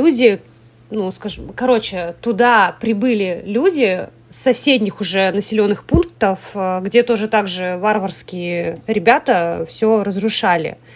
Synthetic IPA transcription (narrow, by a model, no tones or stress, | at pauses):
udʲɪ | nuskaʐɨmkɐɾo̞t͡ɕɪt̪ʊd̪apɾʲɪbɨlʲɪlʲudʲɪ | sɐsʲedʲnʲɪxʊʐɛnəsʲɪlʲo̞nːɨxpunk̚t̪əfɡdʲe̞t̪o̞ʐɨt̪aɡʐɨvarvərskʲɪjɪɾʲɪbʲat̪əfsʲoɾəzɾʊʂalʲɪ̰